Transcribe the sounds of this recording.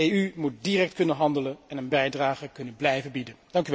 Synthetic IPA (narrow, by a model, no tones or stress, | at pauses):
eymut̚dirɛk̚tkɵnənɦɑndələnɛnənbɛjdraːχəkɵnənblɛjvəbidənd̥ɑŋkyʋ